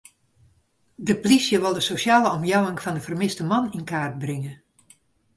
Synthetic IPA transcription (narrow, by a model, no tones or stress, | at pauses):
dəplisjəʋɪlˠdəsosjaːlˠəɔmjawɪŋfɑndəfərmɪstəmɑninkaːrd̚brɪŋə